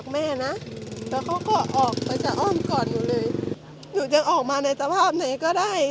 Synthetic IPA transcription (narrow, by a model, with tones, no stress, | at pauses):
k̚mɛː˧˥˩na˦˥ʔt̪ɛː˧˩kʰa˧˥˩wkɔː˧˥˩ʔɔː˨˩k̚pa˧jt͡ɕa˨˩ʔɔː˧˥˩mkɔː˨˩njuː˨˩lɤː˧j | duː˨˩t͡ɕa˧˦ŋʔɔː˨˩k̚maː˧na˧jsa˧pʰaː˥˩p̚na˨˦jkɔː˥˩daː˥˩j